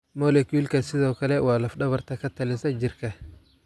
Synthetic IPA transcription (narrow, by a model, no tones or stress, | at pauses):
mɔlɛkulkɐsɪðɔːkʰɐlɛwaːlɐfɗɐβɐrt̪ʰɐkɐt̪ʰɐlɪsɐd͡ʒɪrkʰɐ